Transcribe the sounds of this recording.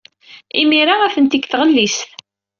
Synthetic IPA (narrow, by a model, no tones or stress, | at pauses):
imiɾaʁæfənt̪ikθʁəlːisθ